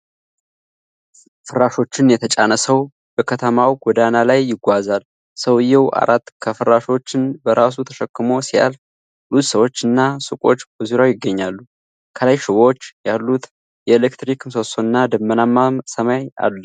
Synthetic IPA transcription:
fɨɾaʃo̞t͡ʃːɪnjɛt̪ʰət͡ʃʼa̰nəsəw | b̥əkʰət̪ʰəmawɡ̥ɔd̪analajːɪɡʷazal | səwɨjːɛwa̰ɾʔat̪ːkʰəfɨɾaʃo̞t͡ʃːɪnbəɾas̬ut̪ʰəʃəkːɨmo̞sija̰l | lussəwo̞t͡ʃːɨnːasɨkʼo̞t͡ʃːbəzuɾawjɪɡːəɲːalːu | kʰəlajʃɪβo̞t͡ʃːjalːut̪ | jɛelekt̪ɾikʰɨmsosoɨnːad̪əmːənamːamsəmaja̰lːə

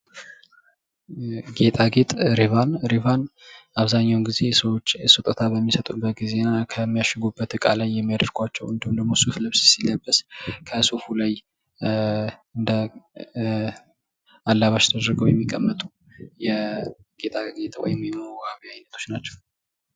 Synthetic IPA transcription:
ɡe̞t̪ʼaɡet̪ʼɾivanɾivanʔaβzaɲːawnɡize̞səwo̞t͡ʃːɛsɨt̪ʼət̪ʰaβəmːisət̪ʼubːət̪̚ɡize̞nakʰəmːijaʃɪɡubːət̪ɨkʼa̰lajːɛmːijad̪əɾkʰʷat͡ʃːɛwɨnd̪md̪əmo̞suflɨβssiljabːəskʰəsofulaj | ɨnd̪ə | alːaβaʃt̪ʰəd̪ɾɨɡəwjɛmːikʼːəmːət̪ʼu | jɛ | ɡ̥e̞t̪ʼaɡet̪ʼwɔ̰jɪmjɛməɡaβiajnət̪ʰo̞t͡ʃːnat͡ʃːɛw

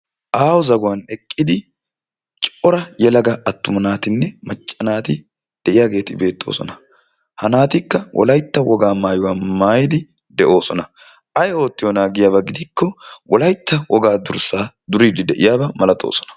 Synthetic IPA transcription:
ʔaːwɔzɐɡʊwanɛkʼːɪd̪ɪ | t͡ʃʼɔɾɐjɛlɐɡɐɐt̪ːʊmɐnaːt̪ɪnːɛmɐt͡ʃʼːɐnaːt̪ɪ | d̪̥ɛʔɪjaːɡe̞ːt̪ɪbe̞ːt̪ːo̰ːsɔ̰nɐ | hɐnaːt̪ɪkːɐwʔɔ̰lɐjt̪ːɐwɔɡaːmaːjʊwaːmaːjɪd̪ɪ | d̪ɛʔo̞ːsɔnɐ | ʔɐjo̞ːt̪ːɪjɔnaːɡɪjaːbɐɡɪd̪ɪkːɔwɔlɐjt̪ːɐwɔɡaːd̪ʊɾsaː | d̪ʊɾiːd̪ɪd̪ɛʔɪjaːbɐmɐlɐt̪ʼo̰ːsɔ̥nɐ̥

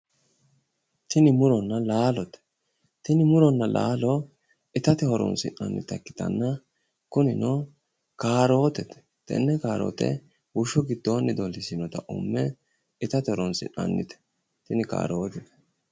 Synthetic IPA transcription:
t̪ɪnɪmʊɾɔnːɐlaːlɔt̪ɛ̥ | t̪ɪnɪmʊɾɔnːɐlʔa̰ːlɔ | ɪt̪ɐt̪ɪhɔɾɔ̰nsɪ̰nɐ̰nːɪ̰t̪ɐkːɪ̥t̪ɐ̰nːɐ | kʊnɪnɔ | kaːɾo̞ːt̪ɛt̪ɛ̥ | t̪ɛ̰nːɛkaːɾo̰ːt̪ɛ̰ | wʊʃɔɡɪd̪̥ːoːnːɪd̪ɔlːɪsɪnɔt̪ɐʔʊ̰mːɛ | ɪt̪ɐt̪ɪhɔɾɔnsɪ̰nɐ̰nːɪ̰t̪ɛ̥ | t̪ɪnɪka̰ːɾoːt̪ɛt̪ɛ̥

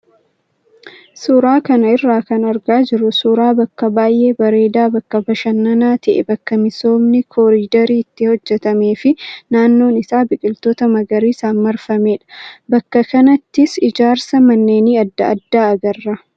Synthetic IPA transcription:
suɾaːkɐnɐɪrːaːkɐnɐɾɡaːd͡ʒɪɾʊsuɾaːbɐkːɐbaːjʔe̞ːbɐɾe̞ːd̪aːbɐkːɐbɐʃɐnːɐnaːt̪ɐʔɛbɐkːɐmɪso̞ːmnɪkʰoːɾiːd̪ɐɾiːɪt̪ːɪhɔd͡ʒːɛt̪ɐmeːfɪnaːnːo̞ːnɪsaːbɪkʼɪlt̪oːt̪ɐmɐɡɐɾiːsaːnmɐɾfɐme̞ːᶑɐ̥bɐkːɐkɐnɐt̪ːɪsɪd͡ʒaːɾsɐmɐnːe̞ːniːɐd̪ːɐɐd̪ːaːɐɡɐrːɐ

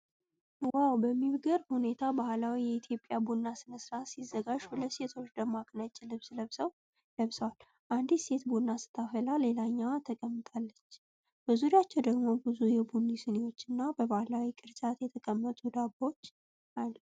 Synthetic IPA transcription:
ɨwawbəmːiβɡəɾhune̞t̪ʰabahlawijɛit̪ʰjo̞pʼːjabunːasɨnəsɨɾasizːəɡaʒbɨləse̞t̪ʰo̞t͡ʃːd̪əmakʼnat͡ʃʼɪlɨβsləβsəw | ləβsəwal | ʔand̪ise̞t̪bunːasɨ̥t̪ʰafəlale̞laɲːawat̪ʰəkʼəmːɨt̪ʼalːət͡ʃː | b̥əzuɾijat͡ʃːɛwd̪əɡmo̞bɨzujɛbunːisɨnewo̞t͡ʃːɨnːabəbahlawikʼɨɾt͡ʃʼat̪jɛt̪ʰəkʼəmːət̪ʼud̪abo̞t͡ʃː | ʔal

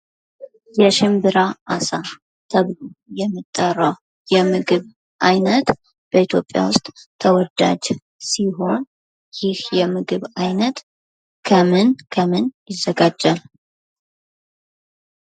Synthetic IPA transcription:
jɛʃɪmbɨɾaʔasa | t̪ʰəβlojɛmːɨt̪ʼːərːəw | jɛmɨɡɨβ | ʔajnət̪ | b̥əit̪ʰjo̞pʼja̰wʊst̪ʼʰːəwɔd̪a̰d͡ʒ | siɦo̞n | jɪhjɛmɨɡɨβajnət̪ | kʰəmɨnkʰəmɨnjɪzːəɡad͡ʒːal

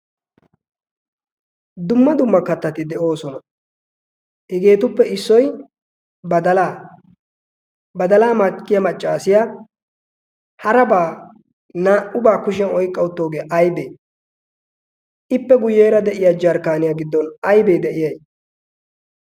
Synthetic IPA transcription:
d̪ʊmːɐd̪ʊmːɐkɐt̪ːɐt̪ɪd̪ɛʔo̞ːsɔnɐ | hɛɡe̞ːt̪ʊpːɛɪsːɔj | bɐd̪ɐlaː | bɐd̪ɐlaːmɐkːɪjɐmɐt͡ʃʼːaːsɪja | hɐɾɐbaː | naːʔʊbaːkʊʃ̬ɪɐnɔjkʼːɐwʊt̪ːo̞ːɡeːʔɐjbeː | ɪpːɛɡʊjːe̞ːɾɐd̪ɛʔɪjaːd͡ʒɐɾkaːnɪjaːɡɪd̪ːɔnɐjbe̞ːd̪ɛʔɪjɐj

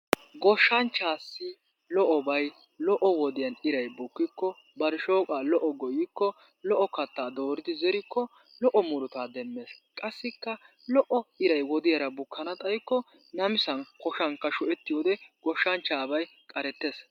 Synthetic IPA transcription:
ɡɔʃːɐnt͡ʃːaːsːɪ | lɔʔɔbɐj | lɔʔɔwɔd̪ɪjɐnɪɾɐjbʊkːɪkːɔ | bɐɾʃo̞ːkʼaːlɔʔɔɡɔjɪkːɔ | lɔʔɔkɐt̪ːaːd̪o̞ːɾɪd̪ɪzɛɾɪkːɔ | lɔʔɔmʊɾʊt̪aːd̪ɛmːeːskʼɐsːɪkːɐ | lɔʔɔɪɾɐjwɔd̪ɪjɐɾɐbʊkʰːɐnɐt̪ʼɐjkːɔ | nɐmɪsɐnkɔʃɐŋkːɐʃʊʔɛt̪ːɪjoːd̪ɛɡ̥ɔʃːɐnt͡ʃːaːbɐj | kʼɐɾɛt̪ːes

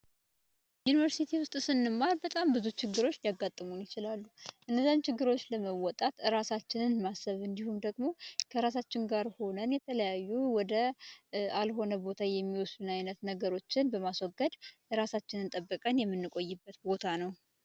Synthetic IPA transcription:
junivəɾsit̪ʰiwʊst̪ʼsɨnːɨmːalbət̪ʼambɨzut͡ʃʰɪɡːɨɾo̞t͡ʃːjaɡːat̪ʼːɨmunjɪt͡ʃɪlalːuʔɨnːəzːaɲt͡ʃʰɪɡːɨɾo̞t͡ʃːləməwɔt̪ʼat̪ɨɾasat͡ʃːɪnɨnmasːəβɨnd̪ihumd̪əɡmo̞kʰəɾasat͡ʃːɪŋɡaɾho̞nənjɛt̪ʰələjajːuwɔd̪ə | alɦo̞nəbo̞t̪ʰajɛmːiwɔsd̪unajnət̪nəɡəɾo̞t͡ʃːɪnbəmaswɔɡːəd̪ɨɾasat͡ʃːɪnɨnt̪ʼəbːəkʼənjɛmːɨnːɨkʼo̞jːɪbːət̪bo̞t̪ʰanəw

